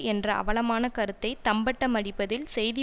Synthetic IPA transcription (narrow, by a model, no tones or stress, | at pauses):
ɛndrɐɐ̰ʋɐlɐmaːnɐkɐɾɯt̪ːɐɪt̪ɐmbɐʈːɐmɐɽɪpːɐðɪlsɛjðɪ